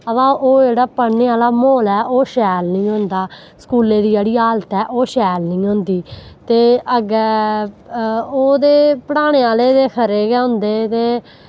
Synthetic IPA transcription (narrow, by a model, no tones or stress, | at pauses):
əʋãːʔoːd͡ʒeːɽaːpəneːaːlaːmoːlɛːʔoːʃɛːlnĩːɦõːnd̪aː | skuːleːd̪iːeːɽiːaːlt̪ɛːʔoːʃɛːlnĩːɦõːnd̪iːt̪eːəɡɛː | oːd̪eːpəɽaːɽ̃eːaːleːd̪eːkʰəɾeːɡɛːʊ̃nd̪eːt̪eː